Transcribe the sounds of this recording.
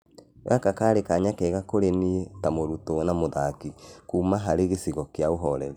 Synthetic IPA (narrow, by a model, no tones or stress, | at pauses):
ḛakakaːɾekaɲakɛːɣakoɾenietamoɾutonamoðakikuːmaɦaɾeɣesiɣɔkjaoɦɔɾɛ̰ɾe